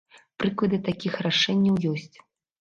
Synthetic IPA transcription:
pɾɨklˠɐd̪ɨt̪akʲixraʂɛnʲːɐwjɔsʲt͡sʲ

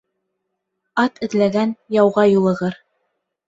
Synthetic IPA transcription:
ɑt̪ʰɘ̆ðlæɡænjɑwʁɑjulˠɤ̆ʁɤɾ

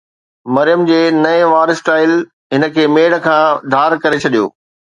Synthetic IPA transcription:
mɐɾijəmd͡ʑeːnɐeʋaːɾɪsʈaːɪl | ɦɪnə̆kʰeːmeːɽkʰãːd̪ʱaːɾkɐɾet͡ɕʰɐɗijo̰ː

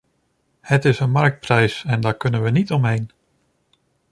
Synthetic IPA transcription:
hətɪsənmɑɹk̚t̚prɛjsɛndaːɹkɵnənʋənitɔmɦejn

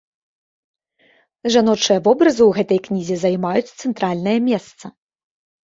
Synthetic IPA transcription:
ʐanɔt͡ʂɨjɐvɔbɾɐzɨwɣɛt̪ɐjknʲizʲɛzajmajut͡sʲt̪sɛnt̪ɾalʲnɨjɐmʲɛst̪sɐ

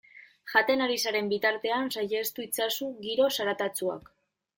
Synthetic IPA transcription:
xʝat̪e̞naɾisaɾe̞mbit̪aɾt̪e̞ansajest̪uit͡sasuɡiɾo̞saɾat̪at͡sua̰k

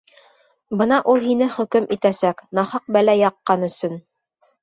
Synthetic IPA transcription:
bɤnɑʔulˠɦinɘχɵ̆kɵmʔit̪æsæknɑhɑq̚bælæjɑqːɑnɵ̆sɵn

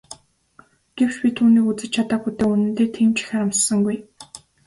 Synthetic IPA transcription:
ɡ̥ew̥t͡ɕpʲit̪ʰuːniːkut͡sɘ̆t͡ɕt͡ɕʰat̪aːxut̪eːunɘ̆nt̪eːt̪ʰemt͡ɕʰxʲaɾamsə̆ŋɡuj

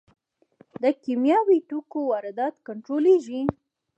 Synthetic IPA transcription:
d̪əkimjɑwiʈukowɑɾɪd̪ɑt̪kaɳʈɾoleʒi

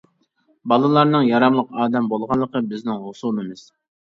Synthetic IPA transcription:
bɑlˠɨlˠɑɾnɨŋjɑɾɑmlˠəqɑːd̪ɛmbolˠʁɑnlˠːəqʰəbɪznɪŋɦosulɨmɨz̥

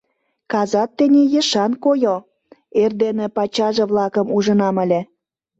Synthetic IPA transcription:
kɑzɑt̪ːə̆nʲejə̆ʃɑnkojo | erd̪enĕpɑt͡ɕɑʒĕβlɑkəmuʒə̆nɑməlʲĕ

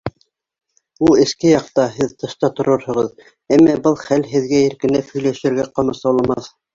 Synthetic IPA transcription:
ulˠɘ̆skɘjɑq̚t̪ɑɦɘðt̪ɤ̆ʃt̪ɑt̪ŏɾɤɾhɤ̆ʁɤð | æmːæbɤlˠχælɦɘ̆ðɡæĭɾkɘ̆næphɵ̆jlæʃɘ̆ɾɡæqɑmɤsɑwlˠɑmɑθ

